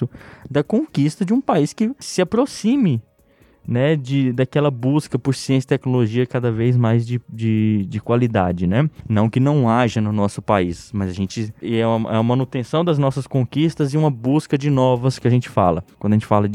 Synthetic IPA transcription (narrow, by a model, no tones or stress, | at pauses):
ʊd̪ɐkõkist̪ɐd͡ʒɪũpaiskɪsɪapɾosĩmɪ | nɛd͡ʒɪd̪akɛlɐbuskɐpʊɾsiẽsit̪ɛknoloʒiɐkad̪ɐvejzmajzd͡ʒɪd͡ʒɪd͡ʒɪkwalid̪a̰d͡ʒɪnɛnɐ̃w̃kɪnɐ̃w̃aʒɐnʊnɔsʊpaismɐzɐʒẽnt͡ʃɪɛɐʔɛ̰mɐ̃nut̪ẽsɐ̃w̃d̪ɐznɔsɐskõkist̪ɐzɪũmɐbuskɐd͡ʒɪnɔvɐskɪɐʒẽnt͡ʃɪ̥fa̰lɐkwɐ̃d̪ɐʒẽt͡ʃɪ̥falɐ